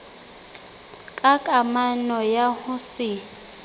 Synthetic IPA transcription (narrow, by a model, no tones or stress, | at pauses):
kʼakʼamanɔjahʊsɪ